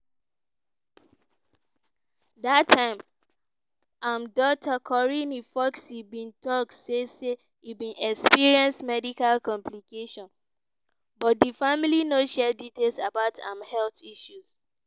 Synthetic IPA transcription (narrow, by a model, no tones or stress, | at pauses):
datʰːãɪ̃m | ãmdɔtʰakʰɔɹinifɔksibĩntɔk̚tsese | ibĩnɛkspiɹiɛ̃nsmɛdikalkɔ̃mplikeʃɔ̃n | bɔt̚difamilinoʃɛditelsabaʊtʰã̰mhɛlθiʃus